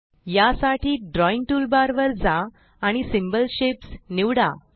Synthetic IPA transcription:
jasaʈʰiːɖɾɔiŋʈulbaɾʋəɾd͡zaː | ɽ̃isimbəlɕepsniʋɽa

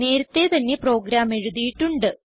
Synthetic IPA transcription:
ne̞ːɾɐt̪ːe̞t̪ɐnːe̞pro̞ːɡɾaːme̞ɻuðijiʈːuɳɖɨ

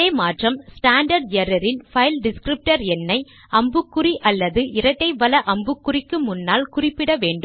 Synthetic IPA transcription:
eːmaːʈrɐmsʈaːɳɖɐɾɖjɐɾɐɾɪnfɐɪlɖɪskɾɪp̚ʈɐɾɛnːɐɪ | ɐmbɯkːʊriʔɐlːɐðɯʔɪɾɐʈːɐɪʋɐlɐʔɐmbɯkːʊrɪkːɯmʊnːaːlkʊrɪpːɪɽɐʋeːɳɖɯ

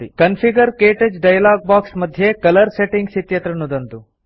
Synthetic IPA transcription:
ikɐnpʰiɡɐɾkeːʈed͡ʒɖɐjɐlaːɡ̚baːksmɐd̪ʱjekɐlɐɾseʈiŋɡsit̪jɐt̪ɾɐnːud̪ɐnt̪u

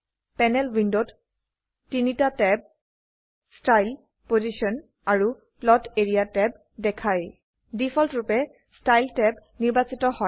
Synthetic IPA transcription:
pɛnɛlwindod | tinitatɛb̚ | stajl | pozisɔn | aɹu | plɔteɹijatɛb̚ | dɛkʰaj | difʰɔltɹupɛ | stajltɛbniɹbasitɔhɔ

